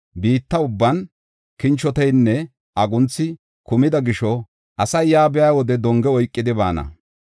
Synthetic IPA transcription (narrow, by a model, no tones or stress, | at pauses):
biːt̪ːɐʊbːɐn | kɪnt͡ʃːɔt̪ɛjnːɛ | ʔɐɡʊnt͡sːɪ | kʊmɪd̪ɐɡɪʃɔ | ʔɐsɐjjaːbɛjaːwɔd̪ɛd̪ɔŋɡɛɔjkʼːɪd̪ɪba̰ːnɐ̰